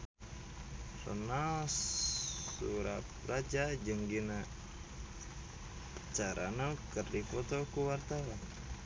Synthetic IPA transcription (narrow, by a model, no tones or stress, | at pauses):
rə̰nals | ṵɾap̚rad͡ʒad͡ʒəŋɡina | t͡ʃaɾʔa̰nakərdipɔt̪okuwart̪awan